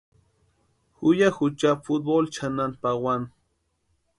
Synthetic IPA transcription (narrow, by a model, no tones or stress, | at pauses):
xʊjaxʊt͡ʃapfʊt̪̚bolt͡ʃananpawan